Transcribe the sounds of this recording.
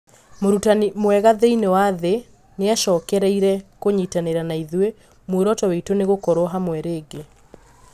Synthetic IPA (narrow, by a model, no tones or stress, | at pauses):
moɾutanimwɛɣaðeinewaðe | neaʃɔːkɛɾɛiɾɛkoɲiːtaneɾanaiðwe | mwoɾɔtɔweitoneɣokɔɾɔɦamwɛɾeːɡe